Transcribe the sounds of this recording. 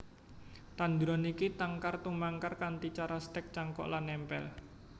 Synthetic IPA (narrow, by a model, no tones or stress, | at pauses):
t̪and̪ɾɔnikit̪aŋkart̪umaŋkarkant̪it͡ʃaɾast̪ɛk̚t͡ʃaŋkɔ̰ʔlanːɛmpɛ̰l